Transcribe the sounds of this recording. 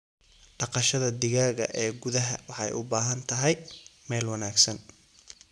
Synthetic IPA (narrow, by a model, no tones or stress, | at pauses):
ɖ̥ɑqɑʃɐðɐd̪ɪɣaːɣɐ̰ʔɛːɡʊðɐɦɐwɑħɑ̰jʔʊ̰baːɦɐnt̪ʰɐɦɛjmɛːlwɑnaːɡsɐn